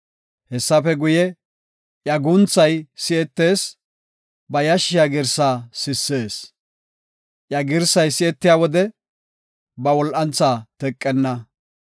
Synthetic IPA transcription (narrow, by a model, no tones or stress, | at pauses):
hɛsːɐpɛɡʊjɛ | ʔjɐɡʊnt͡sːɐjsɪɛt̪ːe̞ːs | bɐjɐʃɪjaːɡɪɾsaːsɪsːe̞ːs | ʔjɐɡɪɾsɐjsɪɛt̪ːɪjaːwɔd̪ɛ | bɐwɔlʔɐnt͡saːt̪ɛkʼːɛnːɐ